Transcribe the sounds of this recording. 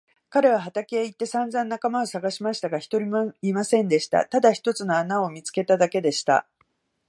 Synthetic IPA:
kaɾe̞β̞aɦat̪ake̞ːit̪ːe̞sãnd͡zãnːakamao̞saɡaɕimaɕi̥t̪aɡaçi̥t̪o̞ɾʲimoimasẽ̞nd̪e̞ɕi̥t̪a̰t̪ad̪açi̥t̪o̞t͡sɨno̞anao̞mʲit͡sɨ̥ke̞t̪ad̪ake̞d̪e̞ɕi̥t̪a̰

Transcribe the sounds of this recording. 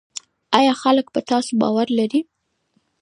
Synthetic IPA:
ɑjɑxalək̚bət̪ɑsobɑ̰waɾlaɾi

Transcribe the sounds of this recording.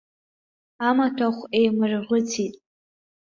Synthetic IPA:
amatʰaχʷejmɨrʁʷʊt͡sʰitʼ

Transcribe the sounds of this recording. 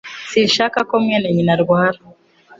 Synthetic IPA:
sinʃakakomŋeːnaɲinaɾɡaːɾa

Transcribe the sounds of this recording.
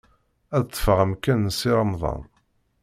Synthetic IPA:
æðt̪ˤːə̥fəʁæmkænəsiɾəmðˤɑ̰n

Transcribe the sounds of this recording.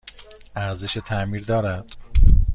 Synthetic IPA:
æɾzeʃet̪ʰæmiːɾd̪ɒːɾæd̪̥

